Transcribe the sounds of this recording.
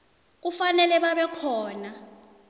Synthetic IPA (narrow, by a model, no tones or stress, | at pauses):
k̬ufanɛlɛɓaɓɛkʰɔːna